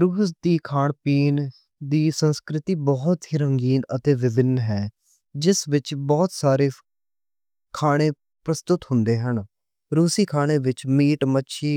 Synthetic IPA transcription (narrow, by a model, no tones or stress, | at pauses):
ɾuːsd̪iːkʰaːɳpiːn | d̪iːsənskɾɪt̪iːbɔːt̪ɦiːɾəŋɡiːnət̪eːʋɪbɪnɦɛː | d͡ʒɪsʋɪt͡ʃbɔːt̪saːɾeː | kʰaːɽ̃ẽː | pɾəst̪ʊt̪ɦʊ̃nd̪eːɦən | ɾuːsiːkʰaːɽ̃eːʋɪt͡ʃmiːʈmətːʃʰiː